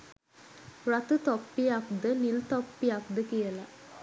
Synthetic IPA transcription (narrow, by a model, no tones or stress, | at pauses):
rat̪ut̪ɔpːijak̚d̪ənilt̪ɔpːijak̚d̪əkijəla